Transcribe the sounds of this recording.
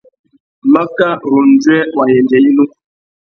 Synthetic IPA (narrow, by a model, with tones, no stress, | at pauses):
ma˦ka˦ɾu˨n˨d͡zɛ˦wa˨jɛ˨nd͡ʒɛ˨ji˦nu˦